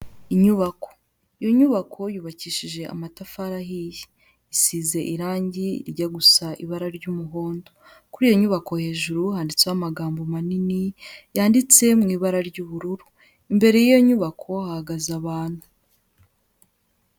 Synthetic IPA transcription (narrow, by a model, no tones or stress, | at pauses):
iɲuβako̞̥ | ijo̞ɲuβakʰo̞juːβaciːʃiʒe̞a̰matafaɾaɦiji | isiːze̞ʔiɾaːɲɟiɟaɡusaʔḭβaɾaɾɟuːmuɦo̞ːndo | kuɾiːjo̞ɲuβako̞he̞ːʒuɾuhaːndit͡sewamaɡaːmbomaninijaːndit͡se̞mŋiːβaɾaɾɟuːβuɾuɾu̥ | imbe̞ɾe̞jijo̞ɲuβakʰo̞hahaɡazaβaːn̥hu